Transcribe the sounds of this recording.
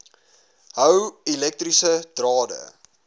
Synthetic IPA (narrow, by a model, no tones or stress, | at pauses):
ɦəwilɛk̚trisəd̥rɑːdə̰